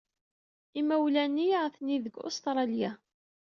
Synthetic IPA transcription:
imæwlænːiʁθniðəɡo̰st̪ɾˤɑlja

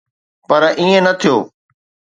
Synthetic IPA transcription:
pɐɾʔiːẽnɐt̪ʰijoː

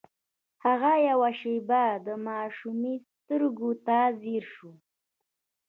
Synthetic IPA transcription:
haɣajawaʃebad̪əmaʃumist̪əɾɡot̪aziɾʃu

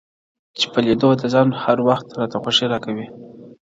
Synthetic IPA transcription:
t͡ʃe̥pəlid̪od̪əzɑnhaɾwaxt̪ɾɑt̪axwaʂiɾɑkawi

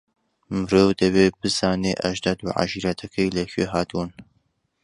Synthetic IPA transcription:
mɨɾoːwd̪ɐveːbɨzɑːneːʔɐʒd̪ɑd̪uːʕa̰ʒiːɾɐt̪ʰɐkʰejlɛɕeːɦɑːt̪bun

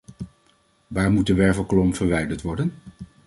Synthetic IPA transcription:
ʋaːɹmut̚dəʋɛɹvəlˠklɔmv̥əɹʋɛjdəɹtʋɔɹdən

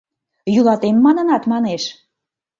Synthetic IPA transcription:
jylˠɑt̪emːɑnə̆nɑt̪mɑneʃ

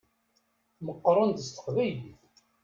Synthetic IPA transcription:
məqːɾˤənd̪əst̪ə̥qvæjliθ

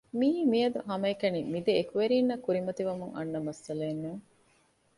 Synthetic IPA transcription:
miːmijɐd̪uɦɐmɐekɐnimid̪eːkuʋeɾiːnːɐkuɾimɐt̪iʋɐmuŋɐ̰nːɐmɐsːɐleːnːuŋ

